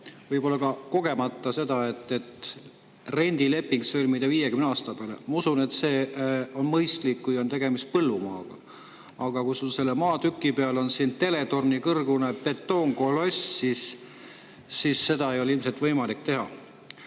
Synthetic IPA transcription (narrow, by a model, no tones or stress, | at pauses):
vɤjpo̞lːɑkɑko̞ɡ̥e̞mɑt̪ːˑɑse̞d̪̥ɑe̞t̪ːˑe̞t̪ | re̞nʲd̪̥ile̞pːˑiŋɡsølʲmid̪̥eviːjekymneɑːst̪ɑpeɑlḛmɑusune̞t̪se̞ːo̞nmɤjst̪likːujo̞nt̪e̞ɡ̥e̞mist̪̚pɤlːumɑ̰ːɡ̥ɑ̰ | ɑɡ̥ɑkujsulse̞lːemɑːt̪ykˑːipe̞ɑlo̞nsint̪e̞le̞t̪o̞rnikɤrɡunepe̞t̪ːo̞ːŋɡolo̞sːis | sisːe̞d̪̥ɑejo̞leilmset̪vɤjmɑlikt̪e̞ɦɑ